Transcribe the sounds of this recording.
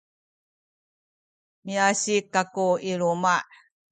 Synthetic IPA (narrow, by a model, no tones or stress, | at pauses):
miaɕikːakuiɭuma